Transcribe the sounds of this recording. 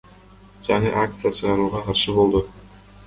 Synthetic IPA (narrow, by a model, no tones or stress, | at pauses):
d͡ʒɑɴɯʔak̚t̪sɨjat͡ʃʰɯʁɑɾuːʁɑqʰɑɾʃɯbo̞lˠd̪u